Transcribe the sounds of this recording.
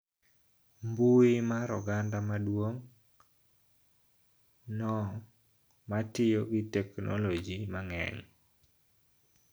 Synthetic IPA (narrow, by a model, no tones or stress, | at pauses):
mbuimaɾɔɡandamadwoŋ | nɔ | matɪjoɡɪtɛkno̰lod͡ʒimaŋɛ̰ŋ